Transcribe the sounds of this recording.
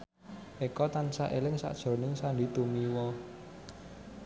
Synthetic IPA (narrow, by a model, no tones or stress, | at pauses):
ʔekɔt̪ansaʔelɪŋsa̰ʔd̥ʒ̥o̤nɪŋsandit̪umiwɔ